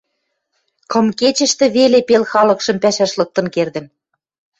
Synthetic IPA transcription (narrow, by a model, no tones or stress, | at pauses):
kɤ̆mket͡ɕə̆ʃt̪ĕβelepelxɑlɤ̆kʃɤ̆mpæʃæʃlɤ̆k̚t̪ɤ̆nkerd̪ə̆n